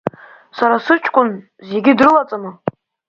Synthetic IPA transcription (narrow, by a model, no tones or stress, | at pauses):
saɾasɨt͡ʃʰʼkʷʼʊn | ze̞ɡʲɪdrɨlat͡sʼanɨ